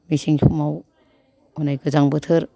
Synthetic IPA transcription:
misiŋpʰumaw | onajɡɯzaŋbɯtʰɯɾ

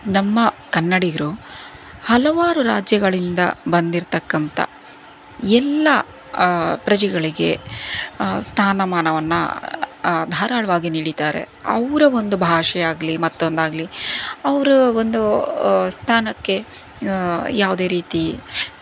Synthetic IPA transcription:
nɐmːɐkɐnːɐɽiɡɐɾu | hɐlɐʋaːɾuɾaːd͡ʒjɐɡɐɭind̪ɐ̰bɐnd̪iɾt̪ɐkːɐnt̪ɐ̰ | ɛlːɐ | pɾɐd͡ʒɛɡɐɭiɡe̞̰ | st̪ʰaːnɐmaːnɐʋɐnːɐ̰ | d̪ʱaːɾaːɭɐʋaːɡiniːɽit̪aːɾḛ | ɐ̰ʋɾɐo̞nd̪ubʱaːʂɛjaːɡɐlimɐt̪ːond̪aːɡliɐʋɾuond̪ust̪ʰaːnɐkːe̞ | jaːʋud̪e̞ːɾiːt̪i

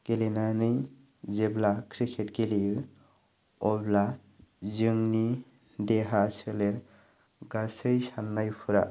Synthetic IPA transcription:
ɡ̥elinanɯj | zeblakʰɾikʰetɡeli | ɔbla | zɯŋni | deɦasɯleɾ | ɡasɯjsanːajpʰuɾa̰

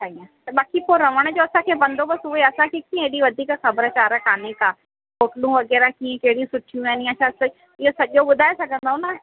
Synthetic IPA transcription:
tʰaːiãt̪ɐɓaːkipoɾɐʋəɽ̃d͡ʑoːɐsãkʰeːbɐ̃nd̪opɐsʊɦeɐsãkʰekiːẽeːɽiʋɐd̪ʱiːkxɐbəɾəkaːɾəkaːnekaː | koːʈlũʋɐɡɛːɾakiːẽkeɦɽiũsʊʈʰijũɛːnĩaʃʰast̪oi | ɪɦosɐʄoɓʊd̪ʱaːesɐɡʱə̃nd̪aõna

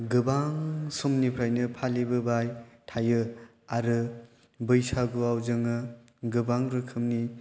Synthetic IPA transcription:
ɡɯbaŋsɔmnipʰɾajnɯpʰalibɯbajtʰajɯ | aɾɯ | bɯjsaɡuawzɯŋɯ | ɡɯbaŋɾɯkʰɯmni

